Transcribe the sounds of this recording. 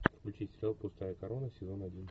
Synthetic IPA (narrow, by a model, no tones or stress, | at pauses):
pulʲt͡ɕɪsʲt̪ʲɾʲalˠpʊst̪ajəkɐɾo̞nəsʲɪzo̞nɐdʲin